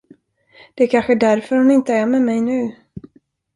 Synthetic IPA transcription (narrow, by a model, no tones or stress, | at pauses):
d̪̥ɛæɾkʰanɧəd̪æɾfœɾhʊnɪnt̪əæɾmɛmɛjnʉ̟ː